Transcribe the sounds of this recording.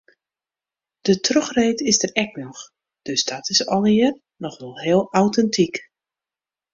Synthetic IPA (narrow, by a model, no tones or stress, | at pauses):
d̥ətrøxreːtɪzdərɛknɔx | d̥øsdɔtɪsɔlˠɪər | nɔxʋɛlˠhɪəlˠawtɛntʰik